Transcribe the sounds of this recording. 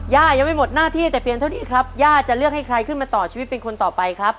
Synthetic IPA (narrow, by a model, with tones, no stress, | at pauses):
jaː˥˩ja˧ŋma˥˩jmo˨˩t̪̚naː˥˩t̪ʰiː˥˩t̪ɛː˨˩pli˨˩ənt̪ʰa˥˩wniː˦˥˩kʰɾa˦˥p̚jaː˥˩t͡ɕa˨˩lɯ˥˩ək̚ha˥˩jkʰɾa˧jkʰɯ˥˩nmaː˧t̪ɔː˨˩t͡ɕʰiː˧wt̪̚e˧nkʰo˧nt̪ɔː˨˩pa˧jkʰɾa˦˥p̚